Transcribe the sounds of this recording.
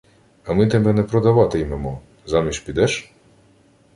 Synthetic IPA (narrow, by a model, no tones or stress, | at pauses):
ɐmɪt̪ɛbɛnɛpɾɔd̪ɐʋɑt̪ɪjmɛmɔ | zɑmʲiʃʲpʲid̪ɛʃ